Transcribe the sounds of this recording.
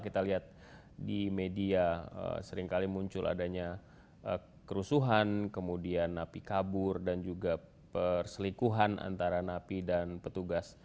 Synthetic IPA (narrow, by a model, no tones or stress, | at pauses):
kit̪aliɦat̪̚ | dimediaə̰səɾɪŋkalimuɲt͡ʃʊla̰daɲa | ə | kəɾusuɦankəmudianːapikabʊrdand͡ʒuɡa | pərsəlikuɦana̰nt̪aɾanapidanpət̪uɡas